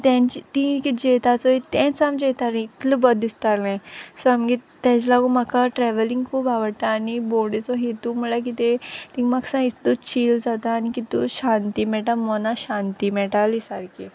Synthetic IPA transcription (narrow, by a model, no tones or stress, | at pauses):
t̪ãɲt͡ɕit̪ĩkid͡ʑet̪at͡sɔit̪ɛ̃t͡samd͡ʑet̪aɾẽit̪ləbəd̪ist̪alẽsɔamɡit̪ɛ̃t͡ɕlaɡumakaʈɾɛʋəliŋɡkʰuːbaʋəɽʈ̪aːniboɽet͡sɔɦet̪um̤əɭak̬it̪et̪imaksãit̪ut͡ɕiːld͡zat̪aːnikit̪uɕant̪iːmɛʈamɔnaɕãnt̪imɛʈalisaɾkʰi